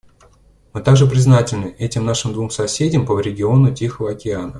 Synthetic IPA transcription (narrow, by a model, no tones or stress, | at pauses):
mɨt̪aɡʐɨpɾʲɪznatʲɪlʲnɨʔɛtʲɪmnaʂɨmd̪vumsɐsʲedʲɪmpəɾʲɪɡʲɪo̞nʊtʲixəvəɐkʲɪanə